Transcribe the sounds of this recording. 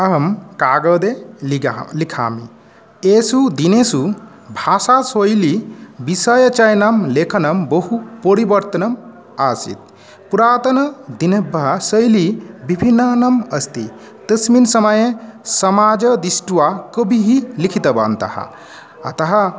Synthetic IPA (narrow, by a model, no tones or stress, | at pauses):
ɐɦəmkaɡəd̪elilikʰa̰mḭ | esud̪inesu | bʱasasojlibisəjət͡ʃɐjnɐmlekʰənɐmbəɦupəɾibɐɾt̪ɐnɐm | asḭt̪̚ | puɾaːt̪ɐnɐd̪inebɐɦasəjlibibʱinːənɐməst̪ḭ | d̪əsminsəməjesɐmad͡ʒəd̪isʈuwakəbʱiɦilikʰit̪əba̰nt̪ɐ̰ha̰ | ɐt̪ɐɦɐ